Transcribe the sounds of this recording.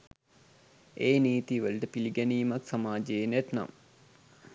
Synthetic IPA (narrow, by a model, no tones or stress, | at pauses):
eːniːt̪iʋəlʈəpiliɡɛniːmaksamaːd͡ʒeenæt̪na̰m